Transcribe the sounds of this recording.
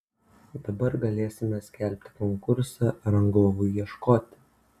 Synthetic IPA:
d̪ɐbɐɾɡɐlʲeːsʲɪmʲɛsʲkʲɛlʲpʲt̪ʲɪ̥kɔŋkʊɾsɑɾɐŋɡoːʋʊɪiɛʃkoːt̪ʲɪ̥

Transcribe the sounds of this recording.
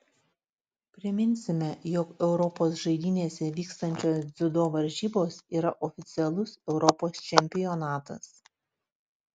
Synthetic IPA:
pʲɾʲɪmʲɪnʲsʲɪmʲɛjɔkɛʊɾɔpoːsʒɐɪd̪ʲiːnʲeːsʲɛʋʲiːkst̪ɐnʲt͡ʃʲoːszʲɪd̪oːʋɐɾʲʒʲiːboːsiːɾɐʔɔfʲɪt̪sʲɪɛlˠʊsɛʊɾɔpoːst͡ʃʲɛmʲpʲɪjɔnɑːt̪ɐ̰s

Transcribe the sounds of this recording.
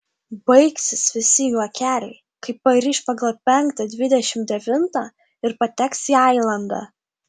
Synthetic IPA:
bɐɪksʲɪsʋʲɪsʲɪjuɐkʲæːlʲɛɪ | kɐɪppɐɾʲiːʃpɐɡɐlˠpʲɛŋkt̪ɐd̪ʲʋʲɪd̪ʲɛʃʲɪmd̪ʲɛʋʲɪnt̪ɑ | ɪɾpɐt̪ʲɛksiːɑɪlˠɐnd̪ɑ̰ː

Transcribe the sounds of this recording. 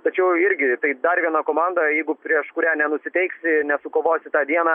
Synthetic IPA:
t̪ɐt͡ʃʲɛʊɪɾʲɡʲɪt̪ɐɪd̪ɐrʋʲiɛnɐkoːmɑnd̪ɐjɛɪɡʊpʲɾʲiɛʃkʊɾʲæːnʲɛnʊsʲɪt̪ʲɛɪksʲɪnʲɛsʊkoːʋoːsʲɪt̪ɑːd̪ʲiɛnɑː

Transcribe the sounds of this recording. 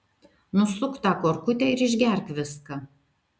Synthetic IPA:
nʊsʊkt̪ɑkoːɾkʊt̪ʲɛˑɪɾɪʒʲɡʲɛˑɾʲkʋʲɪskɐ

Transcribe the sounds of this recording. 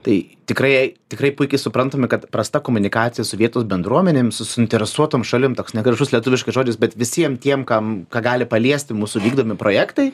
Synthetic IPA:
t̪ɐɪ | t̪ʲɪkrɐɪɪt̪ʲɪkrɐɪpʊɪkʲɛɪsʊpɾɐnt̪oːmʲɪkɐt̪pɾɐst̪ɐkoːmʊnʲɪkɑːt̪sʲɪjɛsʊʋʲiɛt̪oːsbʲɛnd̪ɾuɔmʲɛnʲemsʊsʊɪnʲt̪ʲɛɾʲɛsuɔt̪oːmʃɐlʲɪmt̪oːksnʲɛɡɾʲɛʒʊslʲiɛt̪ʊʋʲɪʃkɐɪsʒoːd͡ʒʲɪsbʲɛt̪ʋʲɪsʲiɛmt̪ʲiɛmkɐmkɑːɡɑːlʲɪpɐlʲiɛsʲt̪ʲɪmuːsʊʋʲiːɡd̪oːmʲɪpɾoːjæːkt̪ɐɪ

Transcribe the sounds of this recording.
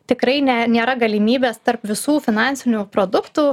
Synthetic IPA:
t̪ʲɪkɾɐɪnʲɛnʲeːɾɐɡɐlʲiːmʲiːbʲeːst̪ɐɾpʋʲɪsuːfʲɪnɑnʲsʲɪnʲuːpɾoːd̪ʊkt̪uː

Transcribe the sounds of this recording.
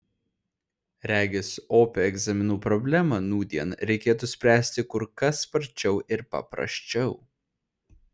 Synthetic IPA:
ɾʲæːɡʲɪsoːpʲɛɛɡzɐmʲɪnuːpɾɔbʲlʲæmɐnuːd̪ʲiɛnɾʲɛɪkʲeːt̪ʊsʲpʲɾʲæːsʲt̪ʲɪkʊɾkɐsːpɐɾʲt͡ʃʲɛʊʔɪɾpɐ̰pɾɐ̰ʃʲt͡ʃʲɛʊ

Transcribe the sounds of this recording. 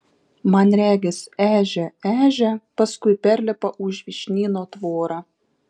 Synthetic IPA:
mɑnɾʲæːɡʲɪsæːʒʲɛæːʒʲɛpɐskʊɪpʲæɾʲlʲɛpɐʔʊʒʋʲiʃʲnʲiːnoːt̪ʋoːɾɑ

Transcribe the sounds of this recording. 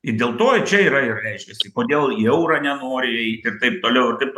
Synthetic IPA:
ɪdʲeːlˠt̪oːt͡ʃʲɛiːɾɐɪrɾʲɛɪʃʲkʲɛsʲɪkoːd̪ʲeːlˠɛʊɾɐnʲɛnoːɾʲɪɛɪt̪ʲɪrt̪ɐɪp̚t̪oːlʲɛʊɪrt̪ɐɪpt

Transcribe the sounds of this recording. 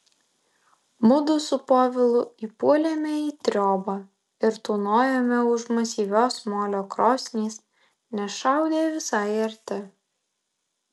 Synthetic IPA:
mʊd̪ʊsʊpoːʋʲɪlˠʊiːpuɔlʲemʲɛiːt̪ʲɾʲoːbɑ | ɪɾt̪uːnoːjɛmʲɛʊʃmɐsʲiːʋʲoːsmoːlʲoːkɾoːsʲnʲiːs | nʲɛʃɑˑʊd̪ʲeːʋʲɪsɑɪɐɾʲt̪ʲɪ

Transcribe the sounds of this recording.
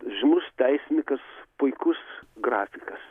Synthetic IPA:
ʒʲɪnʊst̪ʲɛɪsʲnʲɪkɐspʊɪkʊsɡrɑːfʲɪkɐs

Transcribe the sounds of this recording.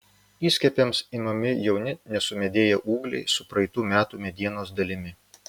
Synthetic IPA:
iːsʲkʲɛpʲɛmsimɐmʲɪjɛʊnʲɪnʲɛsʊmʲɛd̪ʲeːjɛʔuːɡlʲɛ̰ɪsʊpɾɐɪt̪uːmʲæːt̪uːmʲɛd̪ʲiɛnoːsd̪ɐlʲɪmʲɪ

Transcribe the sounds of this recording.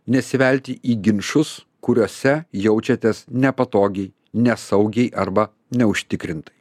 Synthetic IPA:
nʲɛsʲɪʋʲɛlʲt̪ʲɪʔiːɡʲɪnʃʊs | kʊɾʲoːsʲɛjɛʊt͡ʃʲɛt̪ʲeːsnʲɛpɐt̪oːɡʲɛɪ | nʲɛsɐʊɡʲɛɪʔɐɾbɐ | nʲɛʊʃʲt̪ʲɪkɾʲɪnt̪ɐɪ

